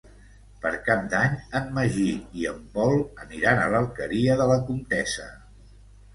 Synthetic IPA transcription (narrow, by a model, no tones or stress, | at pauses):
pəɾkap̚d̪aɲənməʒiːiəmbɔlˠəniɾanələlˠkəɾiəðələkunt̪ɛsə